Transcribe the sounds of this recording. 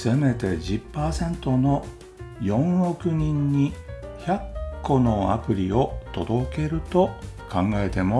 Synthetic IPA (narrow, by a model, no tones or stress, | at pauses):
seme̞t̪e̞d͡ʑɨpːaːsẽ̞nt̪o̞no̞ | jõ̞ɰ̃ɾo̞kɯ̟ɲ̟ĩɲ̟ːiçakːo̞no̞a̰pɯ̟ɾʲio̞t̪o̞d̪o̞ke̞ɾɯ̟t̪o̞kãŋɡae̞t̪e̞mo